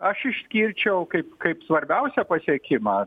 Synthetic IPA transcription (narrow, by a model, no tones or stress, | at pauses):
ɐʃɪʃʲsʲkʲiːɾʲt͡ʃʲɛʊkɐɪpkɐɪpsʋɐɾʲbʲɛʊsʲɛpɐsʲiɛkʲɪmɑː